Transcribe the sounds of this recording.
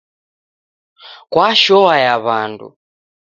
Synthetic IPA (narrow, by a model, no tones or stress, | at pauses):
kwaʃɔwajaβandṵ